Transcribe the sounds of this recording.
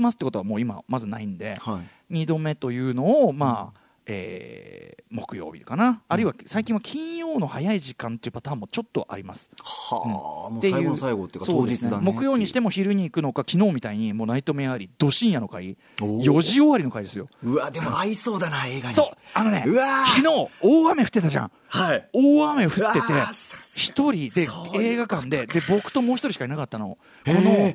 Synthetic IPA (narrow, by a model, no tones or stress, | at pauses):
masɨ̥t̪ːekot̪oβamo̞ːima̰mazɨnaĩnd̪e̞̰hai | ɲ̟id̪o̞me̞t̪o̞jɯ̟ːno̞ːmaː | ḛː | mo̞kɯ̟jo̞̰ːbʲḭkanaːɾɯ̟iβasaikʲĩɰ̃βakʲʰĩɰ̃jo̞ːno̞hajaiʑikãnt̪e̞iɯ̟pat̪ãːmːo̞t͡ɕo̞t̪ːo̞ʔa̰ɾʲimasɨ̥a̰ɯ̟̃mot̪eaiɯ̟oːsaiɡot̪ːekːso̞odːeist͡sɨɨeanmo̞kɯ̟jo̞ːɲ̟iɕi̥t̪e̞mo̞çiɾɯ̟ɲ̟iːkɯ̟no̞kakʲino̞ːmʲit̪aiɲ̟imoːnait̪omojahaɾʲid̪̥o̞ɕĩɰ̃jano̞kai | jo̞ʑio̞βaɾʲino̞kaid̪esɨjo̞̰ɯ̟ad̪emoaisoːd̪anaeːɡaso̞ːano̞ne̞̰ɯ̟akʲino̞ːoːame̞ɸɯ̟t̪ːe̞t̪aʑã̰ɴ̃ | haioːame̞ɸɯ̟tt̪ːe̞t̪e̞çi̥t̪o̞ɾʲid̪e̞e̞ːɡakãnd̪e̞d̪e̞bo̞kɯ̟̥t̪o̞mo̞ːçit̪o̞ɾʲiɕikainakat̪ːano̞̰ | ko̞no̞